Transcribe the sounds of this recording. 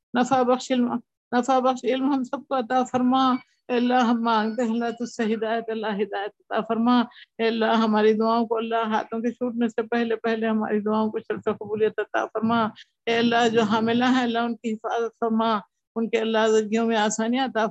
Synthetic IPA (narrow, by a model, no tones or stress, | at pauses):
nɐfabɐxʃɪlm | nɐfabɐxʃɪlmɦɐmsɐb̚koɐt̪afɐɾmaː | eːɐlːaɦɦɐmːãːŋɡt̪eɦɛlːaɦt̪ʊseɦɪd̪aːjət̪ɐlːaɦɦɪd̪aːjət̪ɐt̪afɐɾmaːɛːɐlːaɦɦɐmaːɾid̪ʊaːõkoɐlːaɦɦa̰ːt̪ʰõket͡ʃʰuːʈnesepɛɦlepɛɦleɦɐma̰ːɾid̪ʊaːõkoʃɐɾfeqɐbuːlijət̪ɐt̪a̰ːfɐɾmaː | ɛːɐlːaɦd͡ʒoːɦaːmɪlaɦɛ̃ɐlːaɦʊnkiɦɪfa̰ːzət̪fɐɾmaː | ʊnkeɐlːaɦzɐɾɡijõmẽaːsaːniɐt̪a